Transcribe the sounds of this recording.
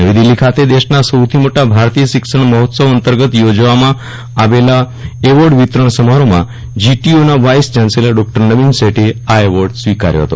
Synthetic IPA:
nəʋid̪ilːikʰat̪ed̪eʃnasəwt̪ʰimoʈabʱaɾt̪ijəʃɪksəɳ̃məɦɔt̪səʋənt̪əɾɡət̪jod͡ʒʋamã | aʋela | eʋəɾɖʋit̪ɾəɳ̃səmaɾomã̰ | d͡ʒiʈionaʋajsd͡ʒanselaɖɔk̚ʈəɾnəʋinseʈeaeʋəɾɖsʋika̰ɾjo̰ɦə̰t̪o̰

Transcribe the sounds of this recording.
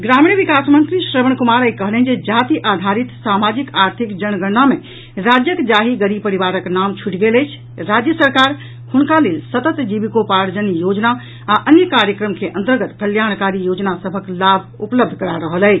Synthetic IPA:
ɡɾamĩʋikasmə̃nt̪ɾisɾəbəɳ̃kumaɾəikəɦlɦind͡ʒed͡ʒat̪iʔad̪ʱaɾit̪samad͡ʒikaɾt̪ʰikd͡ʒəñɡənːame | ɾad͡ʒjəkd͡ʒaɦiɡəɾipəɾibaɾəknamt͡ʃʰuʈɡeləjt͡ʃʰ | ɾad͡ʒjəsəɾkaɾ | hunkalelsət̪ət̪d͡ʒibikopaɾd͡ʒənjod͡ʒna | aʔənjəkaɾjəkɾəmkʰeʔənt̪əɾɡət̪kəljankaɾijod͡ʒnasəbʱəklabʱupləb̚d̪ʱkəɾaɾəɦələɪt͡ʃʰ

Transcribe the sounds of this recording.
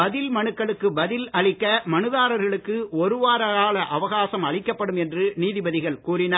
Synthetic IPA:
bɐðɪlmɐnɯkːɐɭɯkːɯbɐðɪlɐɭɪkːɐmɐnɯðaːɾɐɾɣɐɭɯkːɯɔɾɯʋaːɾɐaːɭɐʔɐʋɐɣaːsɐmɐɭɪkːɐpːɐɽɯmɛndrɯniːðɪbɐðɪɣɐɭkuːɾɪnɐː

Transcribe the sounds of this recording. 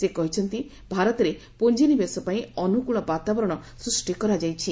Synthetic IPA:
sekɔɦit͡ʃʰɔnt̪i | bʱaɾɔt̪ɔɾe | pond͡ʒinibesɔpaĩɔnukuɭɔbat̪abɔɾɔɽ̃ɔsɾusʈikɔɾad͡ʒajt͡ʃʰi

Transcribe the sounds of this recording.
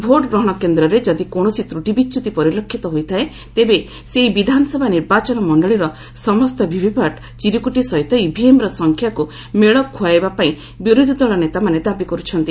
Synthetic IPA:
bʱoɾʈbɾɔɦɔɽ̃ɔkend̪ɾɔɾed͡ʒɔd̪ikoɽ̃ɔsit̪ɾuʈibit͡ʃut̪ipɔɾilokʰːit̪ɔɦojt̪ʰae | t̪ebe | seɦibid̪ʱanɔsɔbʱaniɾbat͡ʃɔnɔmɔɳɖɔɭiɾɔ | sɔmɔst̪ɔbʱibʱipaʈ | t͡ʃiɾikuʈisɔjt̪ɔibʱiemɾɔsɔŋkʰjaku | meɭɔkʰuajbapaĩ | biɾud̪ʱid̪ɔɭɔnet̪amaned̪abikɔɾut͡ʃʰɔnt̪i

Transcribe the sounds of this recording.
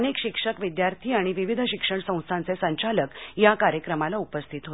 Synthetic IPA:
nekɕikʂəkʋid̪jaɾt̪ʰiːaɽ̃iʋiʋid̪ʱəɕikʂəɳsə̃w̃st̪ʰant͡sesəɲt͡ɕaləkjakaɾjəkɾəmalaupəst̪ʰit̪ɦo

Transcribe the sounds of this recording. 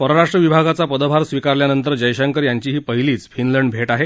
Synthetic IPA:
pəɾoɾaʂʈɾəʋibʱaɡat͡sapəd̪əbʱaɾsʋikaɾljanənt̪əɾd͡ʑəjɕəŋkəɾjaɲt͡ɕiːɦiːpəɦiliːt͡sfinləɳɖbʱeʈaɦe

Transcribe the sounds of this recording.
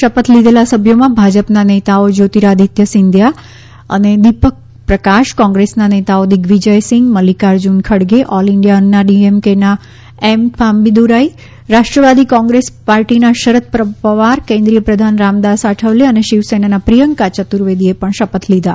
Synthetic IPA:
ʃəpət̪lid̪elasəbʱjomãbʱad͡ʒəpnanet̪aod͡ʒot̪iɾaəd̪ʱit̪jəsɪnd̪ʱja | ə̰ned̪ipək̚ | pɾəkaʃkɔ̃ŋɡɾesnanet̪aod̪iɡʋid͡ʒəjsɪŋɡməlikaɾd͡ʒunkʰəɽɡeʔɔliɳɖjaənːaɖiemkena | empʰambid̪uɾai | ɾaʃʈɾəʋad̪ikɔ̃ŋɡɾespaɾʈinaʃəɾət̪̚pɾəpəʋaɾkẽnd̪ɾijəpɾəd̪ʱanɾamd̪asaʈʰəʋleəneʃiʋsenanapɾijəŋkat͡ʃət̪uɾʋed̪iepəɳʃəpət̪lid̪a

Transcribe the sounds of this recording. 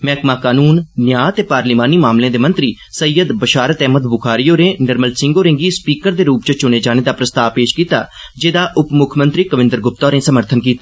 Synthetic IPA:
mɛːkmaːkaːnuːnnjaːt̪eːpaːɾliːmaːniːmaːmlẽːd̪eːmənt̪ɾiː | səijəd̪bəʃaːɾət̪ɛːɦməd̪bʊkʰaːɾijoːɾẽːnəɾməlsɪ̃ŋɡoːɾɪ̃ŋɡiːspiːkəɾd̪eːɾuːp̚t͡ʃət͡ʃʊɳ̃eːd͡ʒaːneːd̪aːpɾəst̪aːʋpeːʃkiːt̪a̰ː | d͡ʒeːd̪aːʔʊpmʊkʰmə̃nt̪ɾiːkəʋɪ̃nd̪əɾɡʊp̚t̪ɔːɾẽːsəməɾt̪ʰənkiːt̪aː

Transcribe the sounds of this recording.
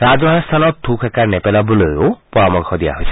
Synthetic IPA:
ɹazɔɦɛst̪ʰanɔt̪̚tʰːukʰɛkaɹnɛpɛlabɔlojopɔɹɔmɔŋkʰɔd̪ija̰ɦojsʰɛ̥

